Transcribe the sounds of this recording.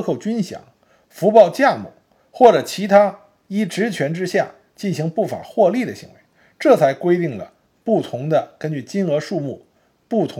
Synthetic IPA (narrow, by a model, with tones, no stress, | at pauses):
xo˥˩ʊt͡ɕy˥nɕjɑ̰˨˧˩ŋ | fu˧˥pɑ˥˧ʊt͡ɕja˥˧mṵ˨˩ | xwɔ˥˩ʈ͡ʂɤ˨˩t͡ɕʰi˧˥t̪ʰa˥ | i˥˩ʈ͡ʂɻ̩˧˥t͡ɕʰɥɛ˧˥nʈ͡ʂɻ̩˥ɕja˥˩ | t͡ɕi˥˩nɕi˧˥ŋpu˥˩fa̰˨˩xwɔ˥˧li˥˩d̪ə˩ɕḭ˧˥ŋwe˧˥ɪ | ʈ͡ʂɤ˥˩t͡sʰa˧˥ɪkwe˥ɪt̪i˥˩ŋlə̰˩ | pu˥˩t̪ʰʊ˧˥ŋd̪ə˧kə˥nt͡ɕy˥˩t͡ɕi˥nɤ˧˥ʂu˥˧mu˥˩ | pu˥˩t̪ʰʊ˧˥